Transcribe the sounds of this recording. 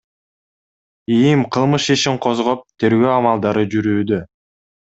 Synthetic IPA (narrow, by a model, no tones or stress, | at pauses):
ijimqʰɯlˠmɯʃiʃiɴqʰo̞zʁo̞p̚t̪ʰe̞ɾɡø̞ːɑmɑlˠd̪ɑɾɯd͡ʒyɾyːd̪ø